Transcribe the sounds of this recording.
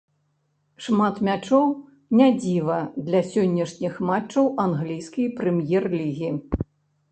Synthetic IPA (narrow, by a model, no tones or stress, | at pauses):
ʂmat̪mʲat͡ʂɔw | nʲad͡zʲivɐd̪lʲɐsʲɔnʲːɐʂnʲixmat͡ʂt͡ʂːɐwʔanɣlʲijsʲkʲijpɾɛmjɛrlʲiɣʲi